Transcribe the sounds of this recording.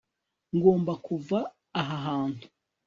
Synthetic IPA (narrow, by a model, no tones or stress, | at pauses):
ŋɡo̞ːmbakuvaː | ɦaɦaːntu̥